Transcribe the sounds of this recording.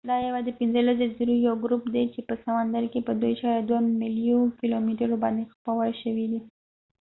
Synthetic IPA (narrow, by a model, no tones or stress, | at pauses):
d̪ɑjawad̪epɪnzəlazeziɾujawɡɾupd̪et͡ʃepəsamand̪aɾkepəd̪ojʃaɾad̪wamilijunkilomiʈaɾobɑnd̪expawaʃəwid̪i